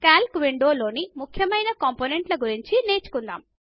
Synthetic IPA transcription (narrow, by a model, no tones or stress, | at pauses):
kaːlkʋiɳɖo̞ːlo̞ːnimukʰjɐmɐjnɐkɐmpoːne̞ɳʈlɐɡuɾiɲt͡ʃine̞ːt͡ʃu̥kund̪a̰ːm